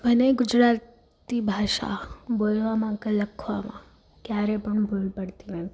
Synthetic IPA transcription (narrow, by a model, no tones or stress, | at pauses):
əneɡʊd͡ʒɾat̪ | ibʱaʃa̰bolʋamãkeləkʰʋamã̰ | kjaɾepəɳbʱulpəɽt̪inət̪ʰ